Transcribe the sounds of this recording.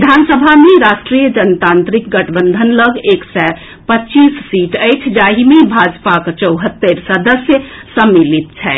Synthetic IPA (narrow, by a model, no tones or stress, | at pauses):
d̪ʱansəbʱameɾasʈɾijəd͡ʒənt̪ãnt̪ɾik̚ɡəʈʰbənd̪ʱənləɡeksɛ | pətːt͡ʃissiʈəjt͡ʃʰd͡ʒaɦimebʱad͡ʒpakt͡ʃəwɦət̪ːeɾsəd̪əsjəsəmːilit̪̚t͡ʃʰɛ